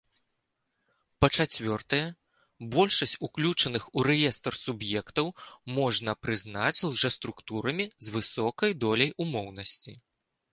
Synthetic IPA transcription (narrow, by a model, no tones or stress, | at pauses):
pɐt͡ʂat͡sʲvʲɔrt̪ɐjɛ | bɔlʲʂɐsʲt͡sʲuklʲut͡ʂɐnɨxuɾɛjɛst̪ɐrsubjɛkt̪ɐwmɔʐnɐpɾɨznat͡sʲlˠʐɛst̪ɾukt̪uɾɐmʲizvɨsɔkɐjd̪ɔlʲɐjumɔwnɐsʲt͡sʲi